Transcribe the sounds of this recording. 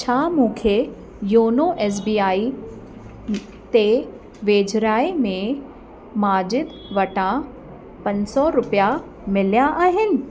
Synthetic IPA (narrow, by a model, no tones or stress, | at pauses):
t͡ɕʰaːmũːkʰe | joːnoʔɛːs̬biːaːi | t̪e | ʋeːd͡ʒɾaːimẽ | maːd͡ʑɪd̪ | ʋɐʈã | pɐ̃ɲsɔɾʊpja | mɪljãʔaːɦɪnɪ̆